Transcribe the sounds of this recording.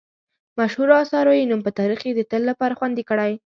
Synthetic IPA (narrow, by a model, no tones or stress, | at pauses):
maʃhuɾɑsɑɾojenumpət̪ɑɾixed̪ət̪əlːapɑɾaxwand̪ikəɽaj